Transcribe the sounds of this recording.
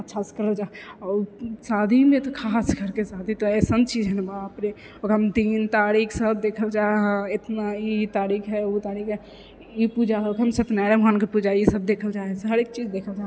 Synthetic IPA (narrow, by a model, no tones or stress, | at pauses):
ətːʃʰaskəɾəld͡ʒaɔːsad̪ʱimẽt̪ɔkʰaskəɾkesad̪ʱit̪ɔɛsənt͡ʃid͡ʒɦənbaəpne | okɦəmd̪int̪aɾikʰsəb̚d̪ekʰəld͡ʒaɦãet̪nait̪aːɾikʰɦɛut̪aɾikɦɛ | ipud͡ʒaɦɛokɦəmsət̪nɛɾemɦankepud͡ʒaisəb̚d̪eːkʰəld͡ʒaɦɛsɦəɾek̚t͡ʃid͡ʒd̪ekʰəld͡ʒa